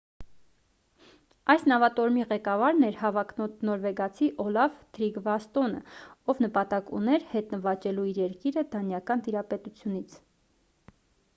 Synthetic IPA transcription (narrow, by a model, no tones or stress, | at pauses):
ɑjsnɑvɑt̪ɔɾmiʁɛkɑvɑɾnɛɾhɑvɑk̪nɔɾvɛɡɑt͡sʰiʔɔlɑvt̪ʰɾiɡvɑst̪ɔnə̰ɔvnəpɑt̪ɑkṵnɛɾhɛt̪nəvɑt͡ʃɛluiɾjɛɾkiɾəd̪ɑnjɑkɑnt̪iɾɑpɛt̪ut͡sʰjunit͡sʰ